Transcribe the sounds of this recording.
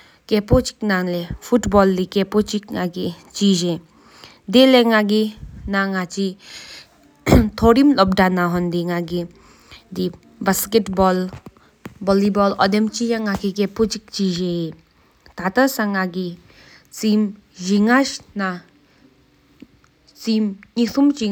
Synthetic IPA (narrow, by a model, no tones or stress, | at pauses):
kɛpot͡ʃi̥k̚nalɛfʰuʈbɔlːikɛpot͡ʃik̚ŋaɡi | t͡ʃid͡ʒe | d̪elɛŋaɡinaŋat͡ʃi | t̪ʰɔɾimlɔb̚ɖanaɦɔnd̪iŋaɡi | d̪i | basketbɔl | bɔlibɔlɔd̪ɛmt͡ʃijaŋakikepot͡ʃik̚t͡ʃid͡ʒe | t̪at̪asaŋaɡi | t͡sim | d͡ʒiŋaʃna | t͡simŋisʰumt͡ʃi